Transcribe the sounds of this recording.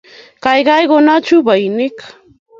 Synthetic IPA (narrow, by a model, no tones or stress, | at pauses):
kɑjɢɑjkʊnat͡ʃʊbajnɪk